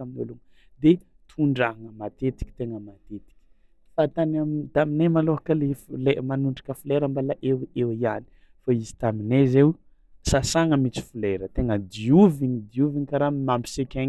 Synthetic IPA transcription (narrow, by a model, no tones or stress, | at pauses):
aminoluŋə | d̪e | t̪ʰuɳɖ͡ʐaɦaŋəmat̪et̪i̥kʲi̥t̪eŋəmat̪et̪i̥kʲi̥ | fat̪anamint̪aminemaloɦakəleflemanuɳɖ͡ʐḁkəfuleɾəmbalaʔewewiani̥ | faizi̥t̪aminezew | sasaŋəmit͡si̥fuleɾət̪eŋəd̪iuvinid̪iuviɲikaɾamambi̥sekʲa